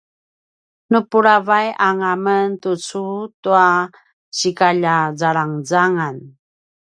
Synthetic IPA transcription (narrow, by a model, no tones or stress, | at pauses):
nupuɾavajaŋaməntut͡sutua | ɕikaʎazaɾaŋd͡zaŋan